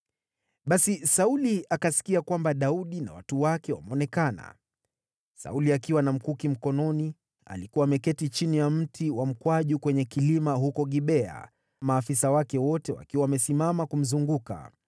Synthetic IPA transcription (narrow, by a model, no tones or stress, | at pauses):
ɓasisauliʔakasi̥kiakwambaɗauɗina̰watuwakɛwa̰mɛɔnɛkana̰ | sa̰uliakiwanam̩kukim̩kɔnɔni | a̰likuwamɛkɛtit͡ʃinijam̩tʰiwam̩kwaʄukwɛɲɛkilimaɦukɔɠiɓɛa̰ | maːfisawakɛwɔtɛwa̰kiwawamɛsimamakum̩zuŋɡuka̰